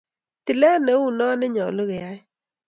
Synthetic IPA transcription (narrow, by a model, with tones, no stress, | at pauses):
tɪ˨lɛ˦ne˨˦u˨nɔ˦nɪ˦ɲɔ˨lo˦kɛ˨ja˦j